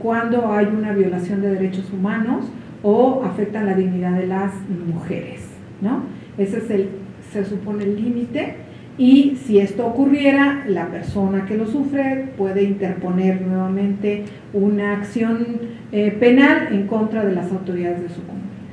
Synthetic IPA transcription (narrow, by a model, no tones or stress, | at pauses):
kwand̪o̞ajunaβjo̞lasjo̞nd̪e̞ð̞e̞ɾe̞t͡ʃo̞sumãno̞s | oafe̞k̚t̪anlaðiɣniðaðe̞lasmuxe̞̰ɾes | no̞ | e̞sesel | se̞supo̞ne̞ːlːimit̪e̞ | isie̞st̪o̞ːkurje̞ɾalape̞ɾso̞nake̞lo̞sufɾe̞pwe̞ðe̞int̪e̞ɾpo̞ne̞ɾnwe̞βamẽ̞nt̪e̞ | unaːksjo̞n | epe̞nale̞ŋko̞nt̪ɾaðe̞lasawt̪o̞ɾiðaðe̞zðe̞sukomuna